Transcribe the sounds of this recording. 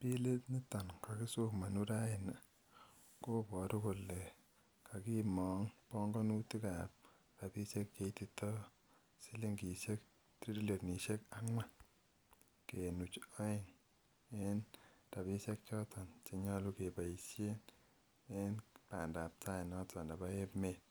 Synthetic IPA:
pi˦le˦tni˦ta˨nka˨ki˦su˦kma˨nu˦ɾa˦ɪ˨na˨ | ko˦pɔ˨tu˦ko˨lːe˨ | kʰa˨ki˦mɔŋpɔ˦ŋɡɔ˦nu˦ti˦ka˨p̚ | ta˨pi˦se˦kke˦ti˨tɔ˦ | si˦li˦ŋɡi˨se˦k̚ | tɾi˦di˦lo˨tni˨ʃe˦ka˦ŋwa˦ | ke˨nu˨t͡ʃɔ˦ɪ˨ŋ | e˦nta˨bi˦se˦k̚t͡ʃɔ˦tɔ˨nt͡ʃe˨ɲɔ˦lu˦ke˨ba˨i˨sje˦n | e˦npa̰˨nda˨p̚ta˦ɪ˨nɔ˦tɔ˨nda˨ba˦e˦pme˦t

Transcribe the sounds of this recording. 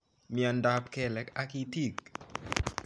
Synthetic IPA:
mi˨a˨nda˦p̚kɛ˦˨lɛ˨ka˦ki˧ti˦˨k̚

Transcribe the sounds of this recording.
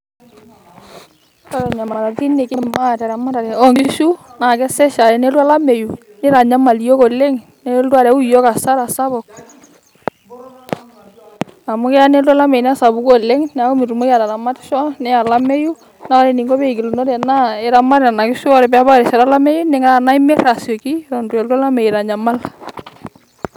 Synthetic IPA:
ka˦ɾɔ˨ɲa˨ma˨a˨ɾa˨ti˦ne˨kɪ˦ma˦˨tɛ˨ɾa˨ma˦ɾa˨ɾɛ˨ɔ˦ŋɡɪ˦ʃu˦na˨kɛ˦sɛ˦ʃa˨ɾɛ˨ne˦lu˦a˦la˦me˨ju˨ | nɪ˦ɾa˨ɲa˦ma˨lijɔ˦kɔ˨le˦ŋ | nɛ˦ldu˦a˦˨ɾɛ˨˦u˦jɔ˦ka˨sa˦ɾa˨sa˦bɔ˨k̚ | a˨mʊ˦kɛ˦a˦ne˦ldwa˦la˦me˨n˦a˦sa˨bu˦kɔ˦lɛ˦ŋnɛ˨a˦ɔ˦mi˨ɾu˨mo˦ja˨ɾa˨ɾa˨ma˦tʃɔ˦nɛ˦a˨la˦me˦ju˦ | na˦ɔ˦ɾɛ˨ni˨ŋɡɔ˦be˦i˨ki˨lu˨no˦ɾɛ˨na˦ɛ˨ɾa˦ma˦ɾa˨na˨kɪ˦ʃu˦ɔ˦ɾɛ˨pɛ˦a˦ba˦ɾɛ˨ʃa˨ɾa˦la˦mɛ˦ju˦nɪ˨˦ŋa˦a˨na˦ɪ˦mɪ˦ɾa˨sɔ˨ki˦ɾɔ˨ndu˨ɛ˨la˦la˦me˨ji˨ɾa˨ɲa˨ma˦l

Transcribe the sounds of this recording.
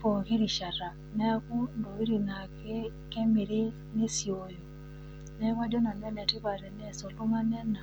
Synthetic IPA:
pɔ˨ki˦ɾi˨ʃa˨ɾa˨ | nɛ˦a˦ku˦ndɔ˨wi˦ɾi˨na˨kɛ˦ | kɛ˦mi˨ɾi˦ | ni˦si˨o˨jɔ˨ | nɛ˦ka˦dɔ˦na˨nɛ˦nɛ˨ti˦βa˨ɾɛ˨nɛ˦˨sɔ˨lu˦ma˦nɛ˦na˨

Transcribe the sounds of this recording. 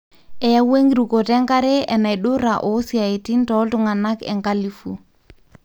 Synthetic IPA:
ɛ˨ja˦we˦ŋɡi˨ɾu˨ko˨tɛ˦ŋka˦ɾe˦ɛ˨na˨i˨ɗʊ˦ɾa˨ʔo˨˦si˨a˨e˨ti˦ntɔ˨˦ltʊ˦ŋa˨na˦kɛ̰˨ŋka˦li˨fṵ˨

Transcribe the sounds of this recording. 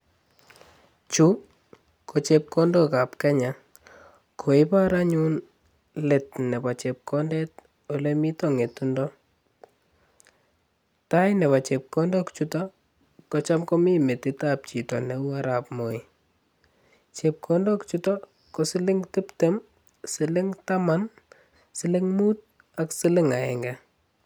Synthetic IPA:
t͡ʃu˦ | ko˨t͡ʃep̚kɔ˦ndɔ˦ka˨pkɛ˦ɲa˨ | kʰo˨ɪ˦pa˦ɾa˦ɲu˦n | le˨t̚nɛ˨ba˨t͡ʃe˨p̚kʰɔndɛ˦t̚ | o˦lemi˦tɔ˨ŋe˨tundɔ˦ | ta˦jnɛ˨pa˨t͡ʃe˨p̚kɔ˦ndɔkt͡ʃu˦tɔ | kɔt͡ʃa˦mko˦mi˦me˨tɪtap̚t͡ʃi˨tɔ˨nɛ˨u˦aɾapmo˨ɪ | t͡ʃep̚kʰɔndɔkt͡ʃutɔ | kosɪ˦lɪ˦ŋtɪ˦pte˦m | sɪlɪ˦ŋtama˦n | sɪ˦lɪ˦ŋmut̚ | a˨ksɪ˦lɪ˦ŋaɛŋɡa

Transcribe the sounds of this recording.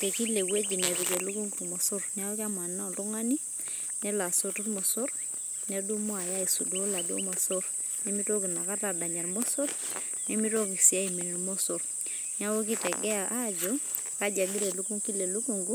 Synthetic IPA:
te˨ki˦le˨we˦d͡ʒi˨ne˨ti˨ke˨lu˦ku˦ŋɡu˨ɾmɔ˨so˦ɾna˦wo˦ki˦a˦m˨a˨na˦˨du˦ŋa˦ni˦ | nɛ˦la˨so˦tu˦ɾmɔ˨so˦ɾ | ne˦du˦mɔ˦a˨ja˦i˨su˨do˨˦la˨do̰˦mɔ˨so˦ɾ | nɛ˦mi˦to˦ki˨na˨ka˦ta˨da˨ɲa˨ɾmɔ˦so˦ɾ | nɛ˦mi˦to˦ki˨si˨a˦i˨mi˨n˨mo˦so˨ɾ | na˦wo˦ki˦tɛ˨ɡɛ˦a˨ʔa˦d͡ʒɔ˦ka˦d͡ʒa˨ŋɡi˦ɾe˨lu˦ku˦ŋki˦le˨lu˦ku˦˨ŋɡu˦

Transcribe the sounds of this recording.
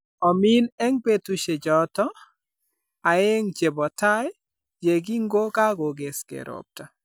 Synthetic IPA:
ɔ˨mi˦nɛ˦ŋpe˦tu˨ʃe˨d͡ʒɔ˦tɔ˦ | a˨e˦ŋt͡ʃe˨bɔ˨ta˦j | d͡ʒe˨ɡi˦ŋ˦ɡo˦ka˦ɡo˨ɡe˨skḛ˨ɾʔo̰˨p̚ta˨

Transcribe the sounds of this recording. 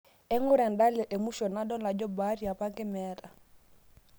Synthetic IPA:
ɛ˦ŋʊ˦ɾɛ˨nda˦lɛ˨ʔɛ˨mu˦ʃɔ˨na˦dɔ˦la˨d͡ʒɔ˦ba˦ɾi˨a˨pa˦ŋɡɛ˦mɛ˦ɾa˨

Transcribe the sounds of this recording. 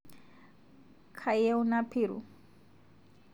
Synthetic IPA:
kʰa˨jɛ˦u˦na˦pʰiː˨ɾṵ˨

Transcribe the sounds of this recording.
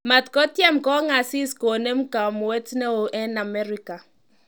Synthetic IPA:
ma˨t̪kɔ˦tjɛ˦˨mkɔ˦ŋa˨si˦sko˨nɛ˦m˦ka˨mu˨wɛ˦tnɛ˦o˨ʔɛ˦na˨mɛ˦ɾi˦ka˨

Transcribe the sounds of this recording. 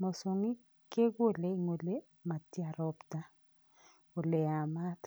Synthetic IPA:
mo˨so˨ŋi˦ | ke˦ɡo˦˨le˦i˨ŋo˨le˦ | ma˨tja˨ɾɔ˦pta˦ | o˨le˨a˨ma˦t

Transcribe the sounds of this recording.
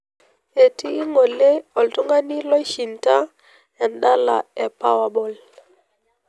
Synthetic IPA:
e˨tiː˦ŋo˨le˦ɔ˨ltu˦ŋɡa˦ni˦lɔ˦ʃi˨nta˦ | ɛ˨nda˦la̰˨ɛ˨pa˦wa˨bɔ˨l

